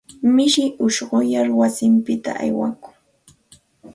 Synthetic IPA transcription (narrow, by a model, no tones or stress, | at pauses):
mɪʃɪʔʊʃɢʊjaɾwasɪmpɪt̪a̰ʔa̰jwa̰kʊ̥ŋ